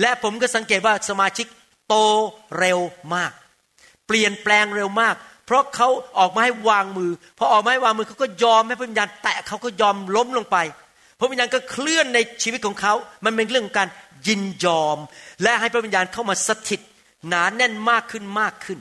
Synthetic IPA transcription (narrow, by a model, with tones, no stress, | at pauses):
lɛ˦˥pʰo˩˦mkɔː˥˩sa˩˦ŋkeː˨˩t̪̚waː˥˩sa˧maː˧t͡ɕʰi˦˥k̚ | t̪oː˧ɾe˧wmaː˥˩k̚ | pli˨˩ənplɛː˧ŋɾe˧wmaː˥˩k̚pʰɾɔ˦˥kʰa˦˥wʔɔː˨˩k̚maː˧ha˥˩jwaː˧ŋmɯː˧pʰɾɔ˦ʔːk̚aː˧a˥˩jwaː˧ŋmɯː˧kʰa˦˥wkɔː˥˩jɔː˧mha˥˩pa˦˥ʋi˧jaː˧nt̪ɛː˨˩kʰa˦˥wkɔː˥˩jɔː˧mlo˦˥mlo˧ŋpa˧j | pʰa˦˥wi˨˧njaː˧nkɔː˥˩kʰlɯ˥˩ənːa˧jt͡ɕʰiː˧w̪̚kʰɔː˨˦ŋkʰa˦˥wma˧npe˧nɾɯ˥˩ŋkʰːɔ˨˦ŋkaː˧n | ji˧njɔː˧mlɛ˦˥ʔha˥˩jpʰɾwi˧njaː˧nkʰa˥˩wmaː˧sa˧t̪ʰi˨˩t̪̚ | naː˩˦nɛ˥˩nmaː˥˩kʰːɯ˥˩nmaː˥˩kʰːɯ˥˩n